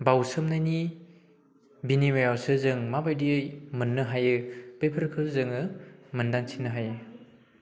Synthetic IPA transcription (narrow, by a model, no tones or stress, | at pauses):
bawsɯmnajni | binimajawsɯzɯŋmabajdiɯjmɯnːɯɦajɯbejpʰɯɾkʰɯzɯŋɯmɐndaŋsʰinːɯɦajɯ